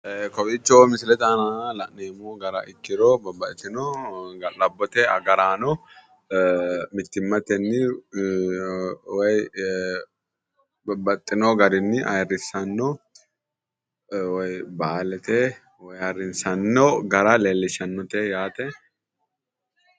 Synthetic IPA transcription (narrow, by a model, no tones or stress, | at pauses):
kɔbɪt͡ʃːomɪsɪlɛt̪ɐnalɐʔneːmoɡɐɾɐ̰ʔɪk̪ːɪɾɔbɐbɐɪt̪ːɪnɔɡɐlɐbːɔt̪ɛɐ̰ɡɐɾaːnɔ | mɪt̪ːɪmːɐt̪ɛnːɪ | wɔj | bɐt̪ʼːɪnɔɡɐɾɪnːɪʔɐ̰jrːɪsɐnːɔ | wɔjbaːlɛt̪ɛ | wɔjɐrːɪnsɐnːɔɡɐɾɐleːlːɪʃɐnːɔt̪ɛjaːt̪ɛ